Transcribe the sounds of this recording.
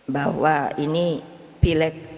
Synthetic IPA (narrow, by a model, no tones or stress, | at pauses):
bawaini | pilɛk̪̚